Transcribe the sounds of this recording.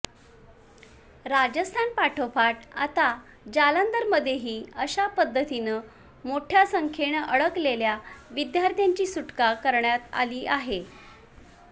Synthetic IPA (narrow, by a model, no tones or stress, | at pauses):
ɾad͡ʑəst̪ʰanpaʈʰopaʈa̰t̪a | d͡ʑalənd̪əɾməd̪ʱːjeɦiːəɕapəd̪ʱːət̪inəː | moʈʰjasəŋkʰeɳʔəɭəkleljaʋid̪jaɾt̪jaɲt͡ɕiːsuʈkakəɾɳjat̪a̰liːʔaɦe